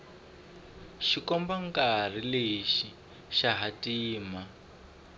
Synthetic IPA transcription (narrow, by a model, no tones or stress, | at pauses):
ʃikɔmbaŋkar̤ileʃi | ʃaɦatiːma